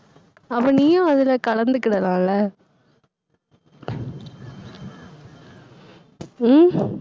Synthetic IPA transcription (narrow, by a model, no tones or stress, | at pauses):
ɐʋɐniːjãɐðɪlɐkɐɽɐnd̪ɯkːɪɽɐlãːlɐ